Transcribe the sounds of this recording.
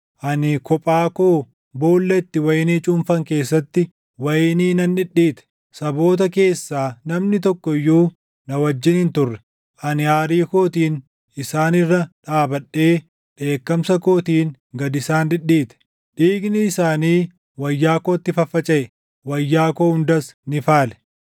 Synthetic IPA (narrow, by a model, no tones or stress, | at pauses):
ʔɐnɪkɔpʼaːkoː | boːlːɛt̪ːɪwɐjɪniːt͡ʃʼʊmfɐŋke̞ːsːɐt̪ːɪ | wɐjɪniːnɐnᶑɪɗːiːt̪ɛ̥ | sɐbo̞ːt̪̬ɐke̞ːsːaːnɐmnɪt̪ɔkːɔɪjːuː | nɐwɐd͡ʒːɪnɪnt̪ʊrːɛ̥ | ʔɐnɪaːɾiːkoːt̪iːn | ɪsaːnɪrːɐᶑaːbɐᶑːe̞ː | ᶑe̞ːkːɐmsɐko̞ːt̪iːn | ɡɐd̪ɪsaːnᶑɪᶑiːt̪ɛ̥ | ᶑiːɡnɪːsaːniː | wɐjːaːko̞ːt̪ːɪfɐfːɐt͡ʃʼɛʔɛ | wɐjːaːkoːhʊnd̪ɐsnɪfaːlɛ̥